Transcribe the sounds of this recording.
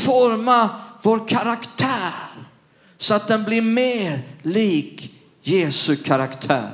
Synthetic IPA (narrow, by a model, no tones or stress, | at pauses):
fɔɾmavoːɾkʰaɾakt̪ʰæːɾ | sɔat̪̚d̪ɛnblɪɾmeːɾliːk | jeːsɵkʰaɾakt̪ʰæ̰ːɾ